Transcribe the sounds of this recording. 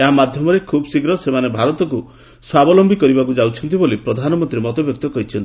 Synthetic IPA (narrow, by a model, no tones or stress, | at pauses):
eɦamad̪ʱjɔmɔɾekʰubɔsiɡɾɔsemanebʱaɾɔt̪ɔk̬u | swabɔlɔmbʱikɔɾibakud͡ʒawt͡ʃʰɔnt̪̬ibolipɾɔd̪ʱanɔmɔnt̪ɾimɔt̪ɔbjɔk̚t̪ɔkɔɦit͡ʃʰɔnt̪ii